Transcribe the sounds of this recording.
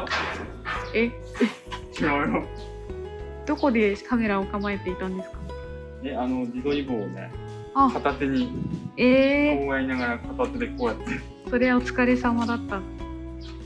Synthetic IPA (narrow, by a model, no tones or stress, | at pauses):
e | t͡ɕiɾajo | d̪̥o̞ko̞d̪e̞kame̞ɾaokamae̞t̪e̞it̪ãnd̪e̞sɨ̥kḁ | eanoɾʲid̪o̞iboːnḛ | akʰat̪at̪eɲ̟ieːoːjainaɡaɾakʰat̪at̪ːed̪ekoːjat̪ːe | so̞ɾe̞βaot͡sɨ̥kaɾe̞samad̪at̪ːa